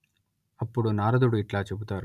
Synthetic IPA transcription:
ɐpːuɽunaːɾɐd̪uɽuiʈlaːt͡ʃebut̪aːɾu

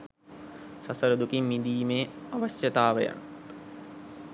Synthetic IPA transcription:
sasəɾud̪ukimːid̪iːmeːaʋaɕjət̪aːʋəja̰

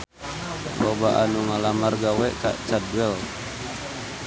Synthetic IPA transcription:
lobaʔanuŋalamarɡawɛʔka̰ʔt͡ʃaduwɛl

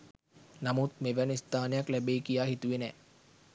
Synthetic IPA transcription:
namut̪meʋænəist̪aːnejaklæbeːkijaːɦit̪uʋenɛː

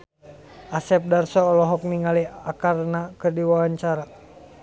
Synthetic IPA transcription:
ʔasɛp̚darsɔːlɔɦɔk̚niŋaliakarnakərdiwawaɲt͡ʃaɾa

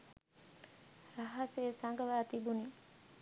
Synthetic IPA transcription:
raɦɐseːsaŋɡəʋaːt̪ibuni

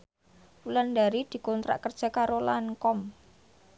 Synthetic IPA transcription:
ulandaɾid̪̥i̤kɔnt̪ɾa̰ʔkərd̥ʒ̥a̤kaɾolaŋkɔm

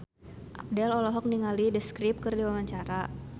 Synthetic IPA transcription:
ʔa̰p̚dɛlɔlɔɦɔk̚niŋalidəskɾip̚kərdiwawaɲt͡ʃaɾa

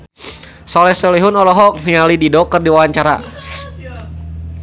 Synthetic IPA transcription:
sɔlɛsɛliɦʊnɔlɔɦɔk̚niŋalididɔkərdiwawaɲt͡ʃaɾa̰

